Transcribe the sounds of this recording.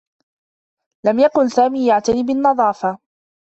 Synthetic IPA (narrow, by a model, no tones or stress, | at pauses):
lamjakʊnsaːmiːjaʕt̪aniːbɪnːɑðˤɑːfa